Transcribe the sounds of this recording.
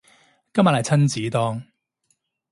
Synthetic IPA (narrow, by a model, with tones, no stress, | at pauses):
kɐ˥mːɐ˨t̚hɐ˨jt͡sʰɐ˥nt͡siː˨˥t̪ɔː˥ŋ